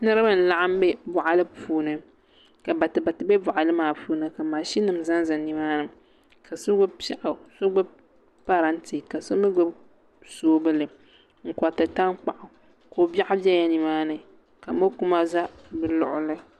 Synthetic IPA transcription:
nɨ˦ɾɨ˦ba˦n̩˨˦la˦ʔa˦m˦bɛ˦bʊ˨ʔa˨lɨ˦puː˦nɨ˦ | ka˨ba˨tɨ˨ba˨tɨ˨bɛ˦bʊ˨ʔa˨lɨ˦maː˨puː˦nɨ˦ka˨maː˨ʃi˦nɨ˨m̩˨za˦nza˨ni˨maː˦nɨ˨m | ka˨sʊ˦ɡʊ˦pa˦ʔa˨so˦ɡ͡bʊ˦ | pa˦ɾa˦n˦ti˨ka˨so˦mɨ˦ɡ͡bʊ˦ | soː˦bɨ˦lɨ˨ | ŋ̩˨kɔ˨tɨ˨ta˦ŋ˦k͡pa˨ʔʊ˨ | ko˦ba˦ʔʊ˦bɛ˦ja˨ni˨maː˦nɨ˨ | ka˨mo˦ku˦ma˦za˦bɨ˨lʊ˨ʔʊ˦lɨ˦

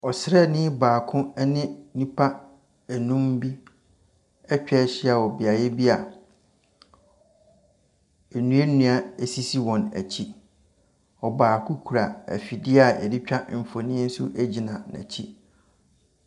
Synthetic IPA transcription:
ɔ˨sɾɛ˦˨nɪ̃˦baː˨kʰʊ̃˦nɪ̃˦nĩ˦pʰa˦ | æ˨nũ˦mbi˦ | ɛ˦t͡ɕᶣɛ˦ɕɪ˦a˨wɔ˨bɪ˨a˨jɛ˦bi˦a˨ | ɛ˨nũ˦e˦nũ˦a˦e˨si˦si˦wɔ̃˨næ̰˨t͡ɕʰi˦ | ɔ˨baː˨kʰu˦kʰu˨ɾa˨æ̰˨fi˨dɪ˦a˦˨ɛ̰˨di˦t͡ɕᶣa˦m̩˨fo˨nĩ˦n̩˦sʊ˦ʔæ˦d͡ʑi˨nã˨nã̰˨t͡ɕʰi˦

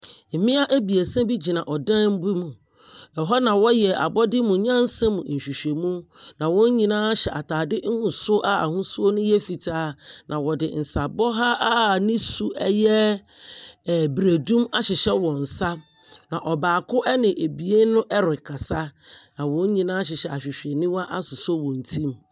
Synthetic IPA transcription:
m̩˨mɪ̃˦a˦ʔæ˦bi˨e˨sã˦bi˦d͡ʑi˨nã˨ʔɔ˨dã˦m˦bi˦mũ˨ | ɛ˨ɦɔ˦nã˨wɔ˦jɛ˨ʔa̰˨bɔ˦dɪ˦mũ˨˦ɲã˦n̩˦sɛ̃˦mũ˨n̩˨ɕᶣi˨ɕᶣe˨mũ˦nã˨wɔ̃˦ɲ˦ɲĩ˨nãː˦ɕɛ˨ʔa˨tʰaː˨dɪ˦ŋ̩˦hũ˨sʊ˦ʔa˦a̰˨hʊ̃˦su˦o˦nʊ̃˦jɛ˦fi˨tʰaː˦nʔã˨wɔ˨dɪ̰˨n̩˨sa˨bɔ˦ɦa˦ʔa˦nɪ̃˦su˦ʔɛ˦jɛ˦˨ | bɾe˨dũ˦ma˦ɕɪ˨ɕɛ˦wɔ̃˨n̩˨sa˦ | nã˨ʔɔ˨baː˨kʊ˦ʔɛ˦nɪ̃˨ʔe˨bi˨e˦nʊ̃˦ʔɛ˦ɾɪ˨kʰa˨sa˦nã˨wɔ̃˦ɲ˦ɲĩ˨nãː˦ɕ̬ɪ˨ɕɛ˨a˨ɕᶣi˨ɕᶣe˨nĩ˦wa˦ʔa˦sʊ˨so˦wɔ̃˨n̩˨tʰĩ˦m

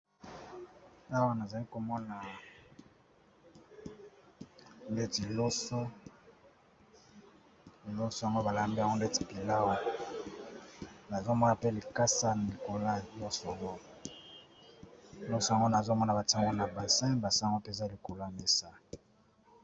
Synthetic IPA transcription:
a˦wa˨na˨za˨li˦ko˨mɔ˦na˨ | nde˦ti˨lo˦so˦˨ | lo˦so˦ja˨ŋɡo˦ba˨la˨mba˨ŋɡo˦nde˦ti̥˨pi˨la˦wa˨ | na˨zo˦mɔ˦na˨pe˦li˨ka˦sa˦na˨li˨ko˨la˦˨jɔ˦sa˨ŋo˦˨ | lɔ˦so˦ja˨ŋɡo˦na˨zo˦mɔ˦na˨ba˨ti˦a˨ŋɡo˦na˨ba˨sɛ̃˦ba˨sɛ̃˦˨ŋɡo˦pe˦˨za˦˨li˨ko˨la˦˨me˦sa˦

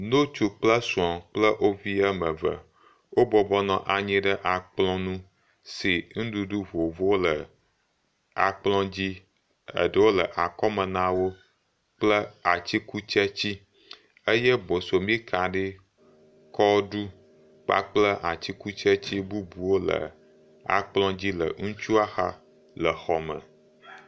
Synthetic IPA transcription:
nõ˦t͡ʃu˦k͡plə˦sũ˨ã˨k͡plə˦ʔo˦vi˦ə˦mə˨və̰˨ | wo˦bɔ˨bɔ˦nɔ̃˨ʔa˨ɲĩ˦ɖə˦ʔa˨k͡plɔ̃˦nũ˦ | si˨ŋ̩̃˦ɖu˦ɖu˦vo˨vo˦wo˦lə˨ | a̰˨k͡plɔ̃˦d͡ʑi˦ | ə̰˨ɖə˦wo˦lə˨ʔa˨kɔ˦mə˨nã˦wo˦ | k͡plə˦a˨t͡ɕi˦ku˦t͡ʃə˦t͡ɕi˦ | ə˦jɛ˦bo˨so˨mĩ˦ka˨ɖe˦ | kɔ˦ɖu˦ | k͡pa̰˦˨k͡plə˦ʔa˨t͡ɕi˦ku˦t͡ʃə˦t͡ɕi˦bu˦bu˨wo˦lə̰˨ | a̰˨k͡plɔ̃˦d͡ʑi˦lə̰˨ŋũ˦t͡ʃu˦a˦xa̰˦ | lə˨xɔ˨mə̰̃˨

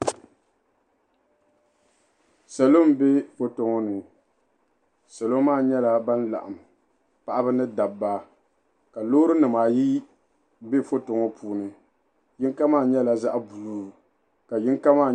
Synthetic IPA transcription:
sɛ˨lo˦m˦be˦fo˦to˨ŋɔ˦nɨ˨ | sɛ˨lo˦maː˦˨ɲɛ˦la˨ba˦nla̰˨ʔa˨m | pa˨ʔa˦bɨ˦nɨ˦da˨bːaː˦ | ka˨lo˦ɾɨ˦nɨ˨maː˨ji˦ | be˦fo˦to˨ŋɔ˦pʰuː˨nɨ˨ | jɪ˦ŋka˦maː˦˨ɲɛ˦la˨za˦ʔbu˨luː˦˨ | ka˨jɪ˦ŋka˦maː˦˨

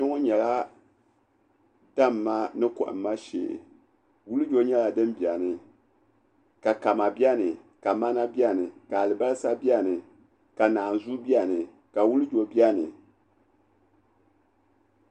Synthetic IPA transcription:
ɪ˦ŋʊ˦ɲɛ˨la˦ | d̥a˦mː˨a˦nɨ˦kɔ̰˨ʔɨ̰˨m˦ma˦ʃḛ˨ | wu˦lɨ˦d͡ʒo˦ɲɛ˦la˨dɨ˦mbi˨a˨nɨ˨ | ka˨ka˨ma˨bi˦a˦nɨ˨ | ka˨ma˦na˦bi˦a˦nɨ˨ka˨lɨ˨ba˦lsa˦bi˦a˦nɨ˨ | ka˨naː˨n˨zu˦bi˦a˦nɨ˨ | ka˨wu˦lɨ˦d͡ʒo˨bi˦a˦nɨ˨

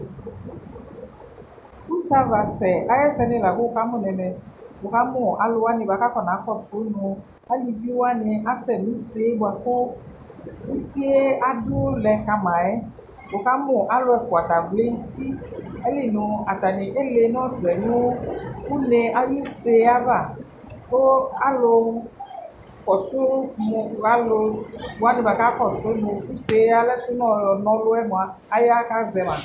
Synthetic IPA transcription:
ku˦sa˦va˨sɛ˨a˨jɛ˦sɛ˨nẽ˨la˨ɡo˦o˨ka˦mõ˨nɛ̃˨mɛ̃˨wo˨ka˦mʊ̃˦˨ʔa˨lo˦a˦nẽ˨ba˨ka˦kɔ˨nã˨˦xɔ˦so˦nɔ̃˨ | a˦li˨vi˦wo˦a˦ne˨ʔa˦sɛ˨nũ˨˦se˦e˦bo˨a˨ko˦ | wu˦t͡ʃi˦e˦a˦ɖo˦lɛ˨ka˨mã˨ɛ˦ | wo˨ka˦mʊ̃˨ʔa˦lo˦ɛ˦ko˨a˨t̪a˨ɡle˦ŋ̩˦t̪i˦e˦le˦nũ˨a˨t̪a˨nĩ˨ʔe˦le˨nɔ̃˦zɛ˨nũ˦wu˦ne˨a˦ju˦se˦a˦ba˨ | to˦a˦lo˧ | kɔ˨so˦mo˨a˦lo˦bo˨a˦nĩ˨ba˨ka˦kɔ˨so˦no˨u˦se˨˦a˦lɛ˦su˦nɔ̃˦˨jɔ˨nɔ̃˦lo˦ɛ˦mõ˨a˨ | a˦ja˦ka˦zɛ˨mã˨

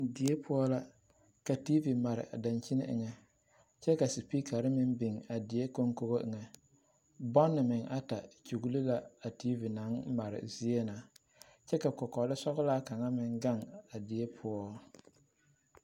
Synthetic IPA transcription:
dɪ˨e˦pʰʊ˦ɔ˦la˦ | ka˨ti˦vi˨ma˨ɾɪ̰˨ʔa˨da˨nt͡ʃi˦nɪ̰˦ʔɪ̰˨ŋɛ˨ | t͡ʃɛ˦ka˨si˨pi˦kʰa˨ɾɪ˦mɪ˦nbi˨ŋa˨dɪ˨e˦ko˦ŋko˦ɣo˦ʔɪ˨ŋɛ˨ | bɔ˦nːɪ˨mɪ˨ŋa˦ta˨t͡ʃu˨ɡu˦li˦la˦a˨ti˦vi˨na˨˦ŋma˨ɾɪ̰˨zi˦e˦na˨ | t͡ʃɛ˦ka˨kɔ˨kɔ˨lɪ˦sɔ˦ɣʊ˦laː˦ka˨ŋa˦mɪ˦ŋɡa˦˨ŋa˨dɪ˨e˦pʰʊ˦ɔ˦

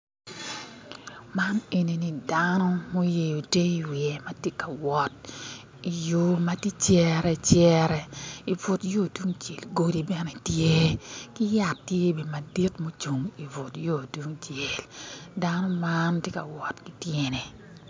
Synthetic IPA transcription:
ma˦ne˨ni˨ni˨danɔ˦mo˦je˨o˨te˦i˨wi˨ɛ˨ma˦te˦ka˨wɔ˨t̚ | i˨jo˦ma˦ti˦t͡ʃjɛ˦ɾɛ˨t͡ʃjɛ˦ɾɛ˨i˨vʊ˨tjo˦˨tu˦ŋt͡ʃe˨lɡo˦di˨bɛ˦nɛ˨tje˦kɪ˦ja˨tːje˦be˨ma˨di˦tmo˦t͡ʃu˨ŋi˨vʊ˨tjo˦˨du˦ŋt͡ʃe˨lda˦nɔ˦ma˦ntje˦ka̰˨wɔ˨tki˦tje˦ne˨

